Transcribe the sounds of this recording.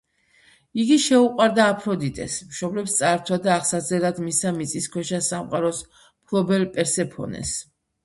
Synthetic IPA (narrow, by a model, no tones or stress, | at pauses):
iɡiʃɛuqʼwaɾd̪aːpʰɾɔd̪it̪ʼɛ̰smʃɔblɛpst̪sʼaɾt̪ʰwad̪aːχsad̪zɛlad̪misamit̪sʼiskʰwɛʃasamqʼaɾɔs | pʰlɔbɛlpʼɛɾsɛpʰɔ̰nɛ̰s